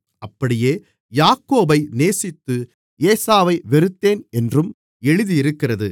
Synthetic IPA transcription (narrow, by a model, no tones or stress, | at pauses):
ʔɐpːɐɽɪjeː | jaːkːoːbɐɪneːsɪt̪ːɯ | eːsaːʋɐɪʋɛɾɯt̪ːeːnɛndrɯm | ɛɻɯðiɪɾɯkːɪrɐðɯ